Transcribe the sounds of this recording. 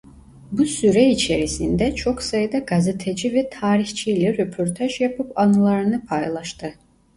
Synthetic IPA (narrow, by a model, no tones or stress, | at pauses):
busyɾɛit͡ʃʰe̞ɾisind̪ɛt͡ʃʰo̞ksajɯd̪aɡazet̪ʰɛd͡ʒivɛt̪ʰaːɾixt͡ʃʰijlʲɛɾøpʰoɾt̪ʰaʒjapʰɯpanɯlˠaɾɯnɯpʰajlˠɑʃt̪ɯ